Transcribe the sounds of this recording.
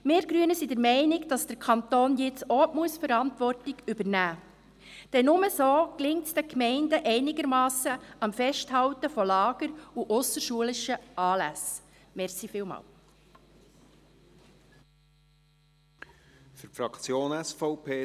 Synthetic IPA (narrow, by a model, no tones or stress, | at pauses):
meːɾɡ̥ɾyənəsidəɾmɛɪnɪɡd̥ɑsd̥əɾkʰɑnt̪oːnjɪt͡sɔːʔmuəsfəɾɑntʋɔrtɪɡybəɾnæː | d̥ɛnːʊməsoːklɪŋtsd̥ɛkmɛɪndəʔɛɪnɪɡəɾmɑːsəɑmfɛʃthɑwtəfɔlɑːɡ̥əɾuʔʊsəɾʃuəlɪʃəʔɑːlæs | mɛɾsifɪːlmɑ̰ːl | fʏɾfɾɑkt͡sjoːnɛsfɔʊpʰeː